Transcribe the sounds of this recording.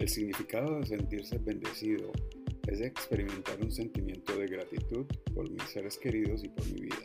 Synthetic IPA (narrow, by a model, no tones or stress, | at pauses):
e̞lsiɣnifikaðo̞ðes̬e̞nt̪iɾse̞βe̞nd̪e̞siðo̞̰e̞zðd̪e̞ːkspe̞ɾimẽ̞nt̪aɾunse̞nt̪imjẽ̞nt̪o̞ðe̞ɣɾat̪it̪uðpo̞̰ɾmḭse̞ɾe̞ske̞ɾiðo̞sipo̞ɾmḭβḭða